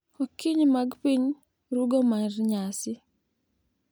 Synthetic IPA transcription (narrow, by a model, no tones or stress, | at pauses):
okiɲmaɡpiɲ | ɾuɡomaɾɲasi